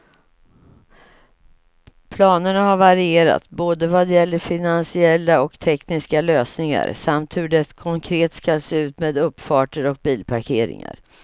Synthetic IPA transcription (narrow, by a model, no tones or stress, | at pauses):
pʰlɑːnəɳahaɾvaɾɪeːɾa̰t̪boːd̪əvad̪jɛlːəfɪnansɪɛlːaɔkt̪ʰɛknɪskaløːsnɪŋa̰ɾsamt̪hɵɖɛkʰɔŋkʰɾeːt̪skaseːʉ̟ːt̪meːd̪ɵpːfɑːʈəɾɔk̚biːlpʰaɾkʰeːɾɪ̰ŋa̰ɾ